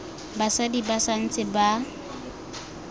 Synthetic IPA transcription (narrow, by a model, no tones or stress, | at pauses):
basadibasan̩t͡sʼɪba